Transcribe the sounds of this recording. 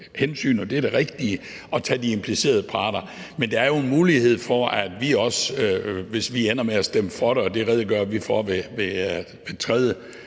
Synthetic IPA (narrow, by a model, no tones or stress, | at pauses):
hensy̰ːnɒd̥eɐd̥e̝ʁɛɡ̥̚d̥iə | ɒ̽t͡sʰɛ̰ːd̥iempʰlise̝̰ːɐð̞ˠəpʰɑ̈ːd̥ɐ | mend̥ëæɐjo̝e̝nmuːlihe̝ð̞̰ˠfɒæd̥ʋiɒ̽s | ʋe̝sʋienɐmeæsd̥eməfɒɾəɒ̽d̥e̝ʁɛð̞ˠiɡ̥ɶɐʋifɒʋeʋe̝ | ʋe̝t͡sʰʁɛð̞ˠə